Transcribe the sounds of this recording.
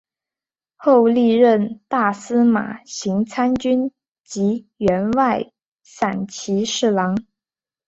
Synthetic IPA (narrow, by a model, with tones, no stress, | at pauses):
xo˥˧ʊli˥˧ɻə˥˧nt̪a˥˩sɹ̩˥ma̰˨˩ɕi˧˥ŋt͡sʰa˥nt͡ɕy˥n | t͡ɕi˧˥ | ɥɛ˧˥nwa˥˩ɪ | sa˨˩nt͡ɕʰi˧˥ʂɻ̩˥˩lɑ˧˥ŋ